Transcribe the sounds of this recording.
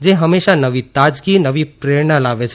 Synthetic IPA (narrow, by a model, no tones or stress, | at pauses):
d͡ʒeɦəmːeʃanəʋit̪ad͡ʒɡinəʋipɾeɭnalaʋet͡ʃʰ